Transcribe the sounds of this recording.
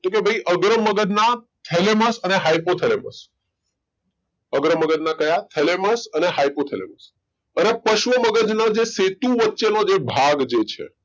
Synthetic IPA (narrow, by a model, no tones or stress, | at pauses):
t̪okebʱəiʔəɡɾəməɡəd̪na | t̪ʰeleməsəneɦajpot̪ʰelemə̰s | əɡɾəməɡəd̪nakəjat̪ʰeleməsəneɦajpot̪ʰelḛməs | ənepəʃʋəməɡəd͡ʒnad͡ʒeset̪ũʋətːʃenod͡ʒebʱaɡd͡ʒet͡ʃʰḛ